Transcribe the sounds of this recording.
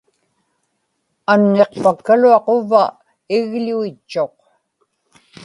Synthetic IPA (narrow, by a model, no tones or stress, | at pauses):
anːe̞q̚pakːaluɑqova | ɪɣluit͡ʃːo̞q